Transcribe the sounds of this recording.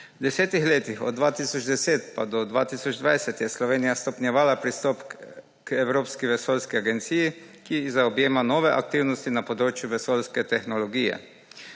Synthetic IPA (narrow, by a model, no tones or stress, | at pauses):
d̪ɛseːt̪ixleːt̪ixɔ̰d̪d̪ʋaːt̪iːsɔd͡ʒd̪ɛseːt̪pa̰d̪ɔd̪ʋa̰ːt̪iːsɔd͡ʒd̪ʋajsɛt̪jɛslɔʋeːnijast̪ɔpnʲjɛʋaːlapɾist̪ɔp | kɛwɾoːpskiʋɛsoːlskiaɡɛnt̪siːji | kizaɔbjeːmanoːʋɛʔa̰k̚t̪iwnɔst̪inapod̪ɾoːt͡ʃjuʋɛsoːlskɛt̪ɛxnɔlɔɡiːjɛ̰